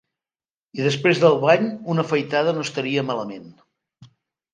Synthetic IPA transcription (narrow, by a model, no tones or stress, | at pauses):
iðəspɾezðəlˠβaɲunəfəjt̪aðənost̪əɾiəmaləmen